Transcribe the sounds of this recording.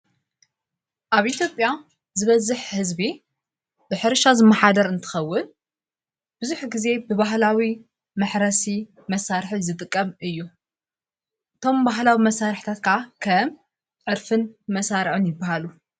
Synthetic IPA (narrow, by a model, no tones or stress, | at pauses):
ʔaβʔit̪ʰjo̞pʼja | zɨβɐzɨħhɨzbi | bɨħɨɾʃazɨmːɐħad̪ɐɾɨnt̪ʰɨ̥xɐwːʊn | b̥ɨzuħɡize̞bɨβaɦlawi | mɨħɾɐsi | mɐsaɾħizɨt̪ʼɨkʼːɐmɨjːu | ʔɨt̪ʰo̞mbaɦlawimɐsːaɾħt̪ʰat̪kʰaakʰɐm | ʕɨɾfɨnmɐsaɾʕɨnjɪbːaɦalu